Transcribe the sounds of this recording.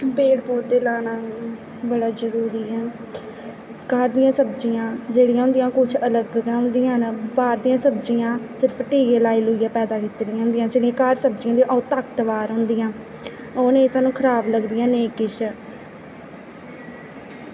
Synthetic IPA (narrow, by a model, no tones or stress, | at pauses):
peːɽpoːɾt̪eːlaːɳaː | bəɽaːzəɾuːɾiːɛː | kaːɾd̪ɪjãːsəbd͡ʒiːãːd͡ʒeːɽɪjãːɦʊ̃nd̪ijãːkʊt͡ʃʰələɡɦʊ̃nd̪ijãːbaːɾd̪ijãːsəbd͡ʒijãːsɪɾəpʰʈiːɡeːlaːiːloːijaːpɛːd̪aːkit̪ːɾijãːɦʊ̃nd̪ijãːt͡ʃəːɽĩãːkaɾsəb̚d͡ʒiːãːnd̪ĩjãʔɔːt̪aːkt̪əʋaːɾɦoʊ̃nd̪ijãː | oːneːsaːnũːkʰəɾaːbləɡd̪ɪjãːneːkɪʃ